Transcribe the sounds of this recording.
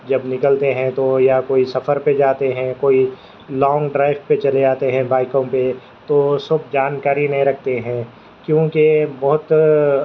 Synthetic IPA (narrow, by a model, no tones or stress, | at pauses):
d͡ʒɐbnɪkəlt̪eɦɛ̃t̪ojakoːisɐfəɾped͡ʒaːt̪eɦɛ̃koːi | lɔ̃ːŋɡɖɾaːɪʋpet͡ʃɐled͡ʒaːt̪eɦɛ̃baːɪkõpe | t̪osʊb̚d͡ʒaːnkaːɾinɐɦĩɾɐk̚ʰt̪eɦɛ̃ː | kjõːkebɐɦʊt̪